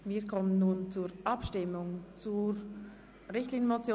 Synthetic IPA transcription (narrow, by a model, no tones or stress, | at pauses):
viːkʰɔmənːuːnt͡suːɾʔɑpʃtɪmʊŋt͡suɾ | ɾɪçtliːn̩mot͡sjo